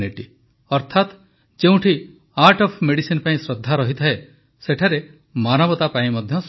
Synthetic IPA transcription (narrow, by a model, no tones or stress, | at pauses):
niʈi | ɔɾt̪ʰat̪ | d͡ʒeũʈʰi | aɾʈɔpʰmeɽisinpaĩsɾɔd̪ʱːaɾɔɦit̪ʰaɦe | seʈʰaɾe | manɔbɔt̪apaĩmɔd̪ʱjɔs